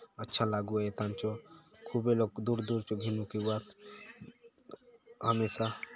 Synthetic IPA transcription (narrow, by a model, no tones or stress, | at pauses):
ətːʃʰalaɡuet̪ant͡ʃɔkʰubelokd̪uɾd̪uɾt͡ʃɔbʱinukiwat̪ | ɦəmesa